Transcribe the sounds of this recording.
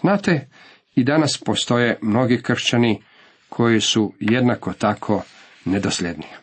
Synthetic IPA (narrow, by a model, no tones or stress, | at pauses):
znaːt̪e | id̪anaspo̞st̪o̞jemno̞ɡikr̩ʃt͡ʃani | kʰo̞jisujed̪nakot̪akʰo̞ | ned̪oslʲed̪ni